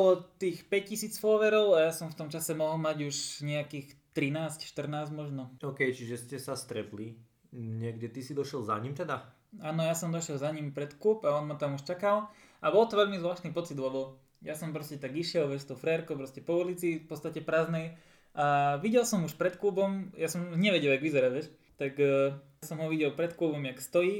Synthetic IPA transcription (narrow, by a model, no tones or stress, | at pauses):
bɔlɔt̪iːxpɛc̚cisiːt͡sfɔʋɛɾɔʊajaːsɔmft̪ɔmt͡ʃasɛmɔɦɔlˠmaɟuʃɲɛakiːxt̪ɾinaːscʃt̪r̩naːzmɔʒnɔɔːkɛjt͡ʃiʒɛscɛsast̪ɾɛpli | ɲɪɛɡɟɛt̪isid̪ɔʃɛlˠza̰ɲimt̪ɛd̪a | aːnɔjasɔmd̪ɔʃɪɛlzaɲimpɾɛt̪kluːpaɔnmat̪amuʃt͡ʃakalabɔlt̪ɔʋɛʎmizʋlaːʃt̪niːpɔt͡sid̪lɛbɔ | jasɔmpɾɔscɛt̪aɡiʃɪɛlʋɛʃst̪ɔʊfɾɛɾkoʊp̬ɾɔscɛpɔulit͡sifpɔt͡st̪acɛpɾaːznɛj | ʔaʋiɟɛlsɔmuʃpɾɛt̪kluːbɔmjasɔmɲɛʋɛɟɛlˠjaɡʋizɛɾaʋjɛʃ | t̪akː | sɔmɦɔʋiɟɛlpɾɛt̪klubɔmjakst̪ɔjiː